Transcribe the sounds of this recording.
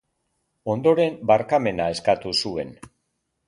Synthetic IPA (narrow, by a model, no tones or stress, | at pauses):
o̞nd̪o̞ɾe̞mbaɾkame̞nae̞skat̪usue̞n